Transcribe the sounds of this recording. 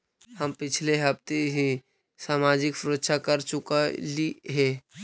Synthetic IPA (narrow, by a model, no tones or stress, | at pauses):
həmpɪt͡ʃʰleɦəpt̪eɦi | saːmaːd͡ʒɪksɾoːt̪ʃʰakəɾt͡ʃʊkaliɦɛ̃ː